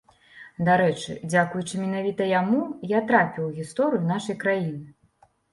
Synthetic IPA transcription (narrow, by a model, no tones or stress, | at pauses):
d̪aɾɛt͡ʂɨ̰d͡zʲakujut͡ʂɨmʲinavʲit̪ɐjamujat̪ɾapʲiwɣʲist̪ɔɾɨjun̪aʂɐjkɾajinɨ